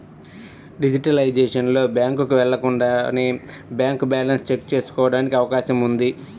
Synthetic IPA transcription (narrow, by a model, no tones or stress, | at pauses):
ɖid͡ʒiʈɐlɐjd͡ʒeːʂɐnlo̞ːbjaːŋkukuʋɛɭːɐkuɳɖaːnebjaːŋkubaːlɐnst͡ʃek̚t͡ʃe̞ːsu̥kɔːʋɐɽaːnikiɐʋɐkaːʃɐmund̪i